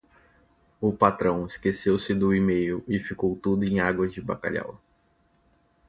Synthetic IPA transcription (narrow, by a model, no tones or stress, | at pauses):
ʊpat̪ɾɐ̃w̃ɪskesewsɪd̪ʊimejʊʔɪfikowt̪ud̪ʊẽj̃aɡwɐzd͡ʒɪba̰ka̰ʎa̰w